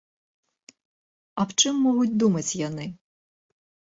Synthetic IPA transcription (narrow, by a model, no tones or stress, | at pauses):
ɐwt͡ʃɪmːɔɦʊtʲd̪umɐt͡sʲjɐnɪ